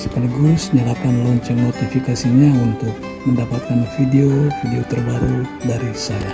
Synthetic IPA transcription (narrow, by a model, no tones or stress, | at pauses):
sə̥kaliɡulʊsɲalakanlɔɲt͡ʃɛŋnot̪ifikasiɲaunt̪ʊk̚ | məndapat̪̚kanfideofideot̪ərbaɾudaɾisaja